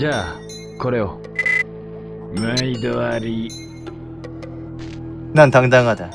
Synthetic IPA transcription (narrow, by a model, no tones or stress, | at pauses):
d͡ʑa | kʌɾejo | maidɯaɾi | nantaŋdaŋɦada